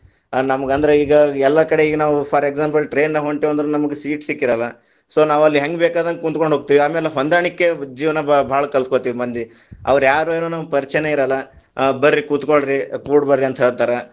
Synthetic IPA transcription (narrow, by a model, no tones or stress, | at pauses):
nɐmɐɡɐnd̪ɾeiːɡɐɛlːɐkɐɽe̞iːɡɐnaːʋupʰaːɾeɡzaːmpɐlʈɾe̞ːnːɐɦoɳʈiʋɐnd̪ɾenɐmɐɡesiːʈsikːiɾɐlːɐ | so̞ːnaːʋɐlːiɦɐŋɡbeːkaːd̪ɐnkunt̪ko̞ɳɖɦoɡ̚t̪iːʋiaːmeːleɦond̪aːɳikːe̞d͡ʒiːʋnɐbʱaːɭɐkɐlskot̪iːʋimɐnd̪i | ɐ̰ʋɐɾjaːɾueːnuːnɐmpɐɾt͡ʃɐneiɾɐlːɐ | bɐɾːikuːt̪koɭɾikuːɖbɐɾɾiɐnt̪ʰɐɦeːɽt̪ɐɾɐ